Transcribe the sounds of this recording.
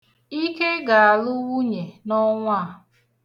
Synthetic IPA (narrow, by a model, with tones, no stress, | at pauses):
i˦ke˦ɡa˨a˨lʊ˦wu˦ɲe˨nɔ˦ŋʷa˦˨